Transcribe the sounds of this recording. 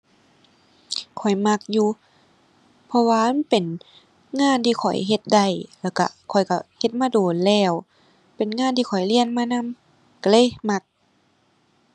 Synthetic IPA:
kʰɔ˨˩jma˧k̚juː˧ | pʰɔ˧waː˧a˧˥˨pe˨˩n | ŋaː˧˨nt̪ʰiː˧kʰɔ˨˩jɦe˧t̪̚da˧˩jlɛː˧˩wka̰˧˩kʰɔ˨˩jka˧˩he˧t̪̚maː˧˥˨doː˨˩nlɛː˧˩w | pe˨˩nŋaː˧˥˨nt̪ʰiː˧kʰɔ˨˩jli˧˨ənmaː˧˥˨na˧˥˨m | ka˧˩lɤː˧˥˨jma˧k̚

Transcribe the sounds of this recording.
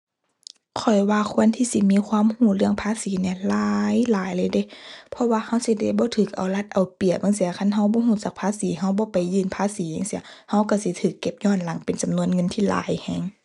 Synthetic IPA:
kʰɔ˨˩jwaː˧kʰu˧˥ənt̪ʰiː˧si˧˦miː˧˥˨kʰwaː˧˥˨mhuː˧˩˨lɯ˧˥˨əŋpʰaː˧˥˨siː˨˦ni˧˨laː˨˧˦jlaː˨˦jlɤː˧˨jde˧˦pʰɔ˧waː˧ha˧˥˨wsi˧˦da˧˩˨jbɔː˧˦t̪ʰɯː˨˩k̚ʔa˨˩wla˧˦t̪̚ʔa˨˩wpi˨˩ə˨ma˧˥˨si˧ɐ˧˩kʰa˧˥˨nɦa˧˥˨wbɔː˧˦ɦuː˧˨t͡ɕa˨˧˦k̚pʰaː˧˥˨siː˨˦ɦa˧˩wbɔː˧˦pa˨jːɯː˧˩npʰaː˧˥˨siː˨˦ja˧˨ŋsi˧˦˧ha˧˩˨wka˧˩si˧˦t̪ʰɯː˧˩kːe˧˦p̚ɲɔː˧˥˨nla˨˦ŋpe˨nt͡ɕa˨mnu˧˥ə˨nŋɤ˧˥˨nt̪ʰiː˧˩la̰ː˨˦jhɛː˧˩ŋ

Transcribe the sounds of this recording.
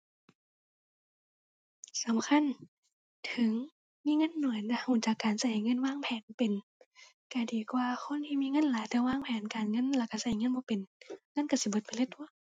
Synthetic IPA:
sa˨˦mkʰa˧˥˨n | t̪ʰɯ˨˦ŋ | miː˧˥˨ŋɤ˧˥˨nːu˨˦əjna˧huː˧˩˨t͡ɕaː˨˩kːaː˨˩nsa˧˩hjŋɤ˧˥˨nwaː˧˥˨ŋpʰɛː˨˦npe˨n | kaː˨˩ndiː˨˩kwaː˧xʰo˧˥˨nt̪ʰiː˧miː˧˥˨ŋɤ˧˥˨nlaː˨˦jt̪ɛː˧˦waː˧˥˨ŋpʰɛː˨˦nkaː˨˩nŋɤ˧˥˨nla˧˩ka˧˩sa˧˩˨jŋɤ˧˥˨nbɔː˧˦pe˨nŋɤ˧˥˨nka˧˩si˧˦bo˧t̪̚pa˨le˧˦t̪̚ʰːu˧˥˨

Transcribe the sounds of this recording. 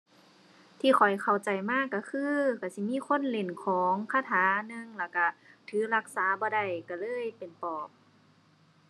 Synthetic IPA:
t̪ʰiː˧˩xʰɔ˨˩jkʰa˨˩wt͡ɕa˨˩jmaː˧˥˩kːa˧˩kʰɯː˧˥ka˧˩si˧˦miː˧˥˨kʰo˧˥˨nle˨˩nkʰɔː˨˦ŋkʰaː˧˥˨t̪ʰaː˨˦nɯ˧˨ŋlɛː˧˩wka˧˩t̪ʰɯː˨˦la˧˥k̚saː˨˦bɔː˧da˧˩jka˧˩lɤː˧˥˨jpe˨˩npɔː˨˩p̚

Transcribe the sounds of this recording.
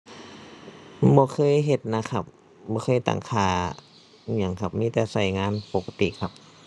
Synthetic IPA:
bɔː˧˦kʰɤː˧˥˨jɦe˧˩t̪̚na˧˥kʰa˧p̚ | bɔː˧˦kʰxʰɤː˧˥˨jt̪a̰ː˨˩ŋkʰaː˧˩˧ | ɲa˧˩˨ŋkʰa˧p̚miː˧˥˨t̪ɛː˨˩sa˧˩jŋaː˧˥˨npo˧˩kʰa˧t̪ḭ˧˨kʰa˧˦p̚

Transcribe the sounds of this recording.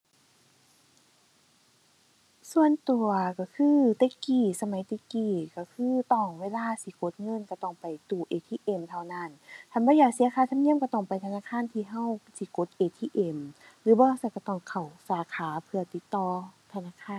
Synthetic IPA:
su˧ənt̪u˨˩ɐka˧˩kʰɯː˧˥˨t̪ɛː˧˦kiː˨˩sa˧ma˨˦jt̪eː˧˩kiː˨˩ka˧˩kʰɯː˧˥˨t̪ɔː˧˩ŋweː˧˥˨laː˧˨siː˧˦ko˧˦t̪̚ŋɤ˧˥˨nka˧˩t̪ɔː˧˩ŋpa˨˩jt̪uː˧˩ʔeː˨˩t̪ʰiː˧ʔe˧˩˨mt̪ʰa˧˩wna˧˥˩nt̪ʰa˧˩˨nbɔː˧˦jaː˨˩k̚si˨˦ɐkʰaː˧˦t̪ʰa˧˥˨ni˧˥˨mka˧˩t̪ɔː˧˩ŋpa˨jt̪ʰa˧naː˧˥˨kʰaː˧˥˨nt̪ʰiː˧˨ɦa˧˥˨wsiː˧˦ko˧˦t̪̚ʔeː˧˩t̪ʰiː˧˨ʔe˧˩m | lɯː˨˦bɔː˧sa˧˩˨kt̪ɔ˧˩ŋkʰa˨˩wsaː˨˦kʰaː˨˦pʰɯ˧ɐt̪i˧˦t̪ːɔː˧t̪ʰa˧naː˧˥˨kʰaː˧˥˨

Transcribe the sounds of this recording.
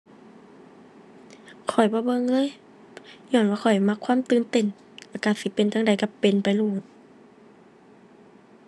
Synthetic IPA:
kʰɔ˨˩jbɔː˧˦bɤ˧˨ŋlɤː˧˥˨j | ɲɔː˧˨nwaː˧˨kʰɔ˨˩jma˧˥kʰːwaː˧˥˨mt̪ɯː˧˨nt̪e˧˩˨n | la˧˩ka˧si˧˦pe˨nt̪ʰa˧˥ŋda˧˩jka˧˩pe˨npa˨jluː˧˩t̪̚

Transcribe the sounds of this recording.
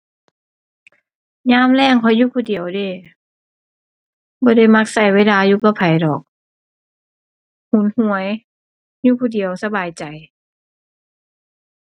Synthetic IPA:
ɲaː˧˥˨mlɛː˧˩˨ŋkʰɔ˧˥˦juː˧˩pʰuː˧˩di˨əwdeː˧˩˨ | bɔː˧˦da˧˩jma˧˥k̚sa˧˩jweː˧˥˩laː˧juː˧˦pa˧˩pʰa˨˦jdɔː˨˩k̚ | hu˨˩˦nhu˧˩əj | juː˧˦pʰuː˧˩di˨˩˦əwsa˧baː˨˩jt͡ɕa˨˩j

